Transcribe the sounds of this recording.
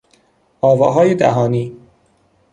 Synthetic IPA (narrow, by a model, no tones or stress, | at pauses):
ʔɒːvɒːɦɒːjed̪æ̰ɦɒːniː